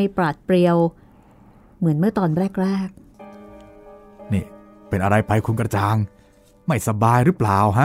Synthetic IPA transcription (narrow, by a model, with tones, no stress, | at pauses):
jpɾaː˨˩t̪̚pɾi˧əw | mɯ˨˩˦ənmɯ˥˩ɐt̪ɔː˧nɾɛː˥˩k̚ɾɛː˥˩k̚ | niː˥˩ | pe˧nʔa˧ɾa˧jpʰa˧jkʰu˧nkɾa˧t͡ɕaː˧ŋ | ma˥˩jsa˧baː˧jɾɯ˦˥plaː˨˩wɦa˦˥